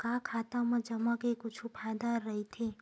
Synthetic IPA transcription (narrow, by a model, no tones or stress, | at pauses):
kakʰaːt̪amãd͡ʒəmakekut͡ʃʰupʰad̪aɾːəɦit̪ʰe